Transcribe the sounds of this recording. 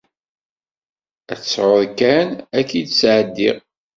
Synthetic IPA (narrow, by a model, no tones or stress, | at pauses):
æθə̥sʕoɾkænækːid̪sʕəd̪ːḭʁ